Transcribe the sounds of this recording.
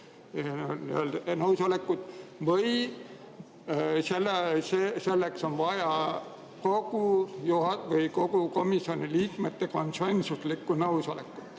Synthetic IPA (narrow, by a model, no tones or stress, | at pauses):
nnøld̪nɤwsole̞kːˑud̪̥vɤj | selːesese̞lːekso̞nvɑjɑ | ko̞ɡ̥ujuɦɑvɤjko̞ɡ̥uko̞misjo̞niliːkmet̪ːe̞konsuensuslikːˑunɤwsolekːˑu̥t̪